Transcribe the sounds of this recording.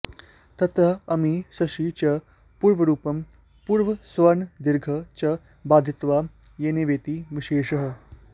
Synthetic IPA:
t̪ɐt̪ɐɐmisɐʃit͡ɕɐ | puːɾʋɐɾuːpɐm | puːɾʋɐsʋɐnd̪iɾɡʱɐt͡ɕɐ | baːd̪ʱit̪ʋa | jeːneʋeːt̪iːʋiʃeːʂɐɦə̆

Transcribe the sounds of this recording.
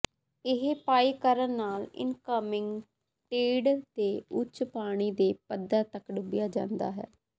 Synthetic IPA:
ɪɦpaːiːkəɾənːaːlɪ̰nkəmɪŋɡ | ʈeːɖt̪eːʊt͡ʃpaːɽ̃iːd̪eːpəd̪ːaːt̪əkɖʊbɪjaːd͡ʒã̰ːnd̪a̰ːɦɛ̰ː

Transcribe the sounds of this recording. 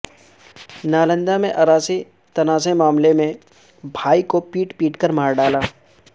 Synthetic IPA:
naːlə̃nd̪amẽʔɐɾaːsi | t̪ɐnaːsemaːmlemẽ | bʱaːikopiːʈpiːʈkəɾmaːɾɖaːlaː

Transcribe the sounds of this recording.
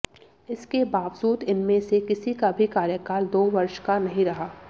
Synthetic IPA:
ɪskebaːʋzuːd̪ɪnmẽsekɪsikabʱikaːɾjəkaːld̪oːʋɐɾʃkanɐɦĩɾɐɦaː

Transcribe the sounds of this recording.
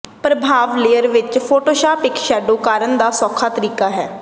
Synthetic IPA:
pɾəbʱaːʋleːəɾʋɪt͡ʃpʰoːʈoːʃaːpɪkʃɛːɖoːkaːɾənd̪aːsɔːkʰːaːt̪əɾiːkaːɦɛː

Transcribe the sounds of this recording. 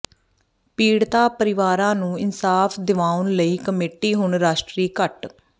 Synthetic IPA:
piːɽt̪aːpəɾɪʋaːɾãːnũːɪnsaːpʰd̪ɪʋaːʊnləiːkəmeːʈiːɦʊɳɾaːʃʈɾiːkəʈ

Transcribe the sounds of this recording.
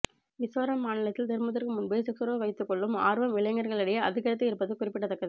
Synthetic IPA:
ʋɪsʋaːɾɐmːaːnɪlɐt̪ːɪlt̪ɪɾmɐt̪̬ːɐɾkɯmʊnbɐsɪksɐɾoːʋɐɪt̪ːɯkːɔɭːɯma̰ːɾʋɐmʋɪɭɐjŋɡɐɾɣɐɭɪɽɐjɐɐðɪɣɐɾɐt̪̬ːɯɪɾɯpːɐðɯkʊrɪpːɪʈːɐt̪ːɐkːɐðɯ

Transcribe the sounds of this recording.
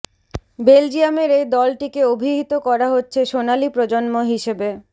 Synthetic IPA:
beld͡ʑiameɾed̪ɔlʈikeobʱiɦit̪okɔɾaɦotːɕʰeʃonalipɾod͡ʑonmoɦiʃebe

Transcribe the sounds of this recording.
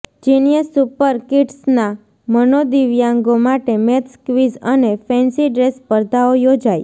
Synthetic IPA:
d͡ʒinijəsupəɾkiʈsna | mənod̪iʋjãŋɡomaʈemet̪skʋizənefʰɛnsiɖɾespəɾd̪ʱaojod͡ʒaj

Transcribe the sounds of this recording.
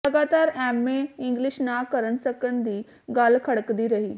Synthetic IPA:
lɐɡaːt̪aːɾɛːmːẽɪ̃ŋɡlɪʃnakɐɾəñsɐkəñd̪iː | ɡaːlkʰɐɽəkd̪iɾɐɦiː

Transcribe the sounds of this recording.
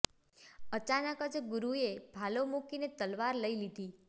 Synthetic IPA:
ət͡ʃanəkəd͡ʒɡuɾuebʱalomukinet̪əlʋaɾləilid̪ʱi

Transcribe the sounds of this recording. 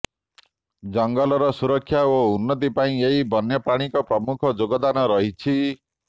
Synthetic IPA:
d͡ʒɔŋɡɔlɔɾɔsuɾɔkʰːjaounːɔt̪̬ipaĩeɦibʱɔnjɔpɾaɽ̃ikɔpɾɔmukʰɔd͡ʒoɡɔd̪anɔɾɔɦit͡ʃʰi

